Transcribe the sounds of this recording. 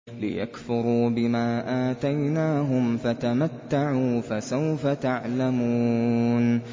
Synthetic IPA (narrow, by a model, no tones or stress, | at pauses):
lɪ̰ja̰kfʊɾuːbɪmaːʔaːt̪ajnaːɦʊmfat̪amat̪ːaʕuːfasawfat̪aʕlamuːn